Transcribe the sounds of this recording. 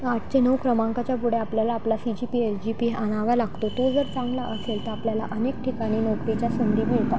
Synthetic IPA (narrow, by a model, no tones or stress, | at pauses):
aʈ̚ʰt͡ɕenəʋkɾəmãŋkat͡ɕjapuɽ̤eapljalaːplasid͡ʑipiesd͡ʑipiaɽ̃aʋalaɡt̪ot̪od͡zəɾt͡sãŋɡlaʔəselt̪əɾapljala̰ʔənek̚ʈʰikaɽ̃iːnokɾit͡ɕjasund̪iːmeɭt̪a